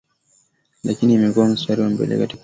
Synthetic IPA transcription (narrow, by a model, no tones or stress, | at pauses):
lʔakinimɛkuwam̩staɾiwam̩bɛ̰lɛ̰kati